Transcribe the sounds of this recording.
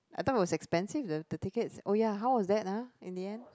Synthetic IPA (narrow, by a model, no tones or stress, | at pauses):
ʔajt̪ɔfit̚wɔsɛkspɛ̃nsivdədətikətsojaɦawwɔsdɛt̚aĩndiɛ̃nd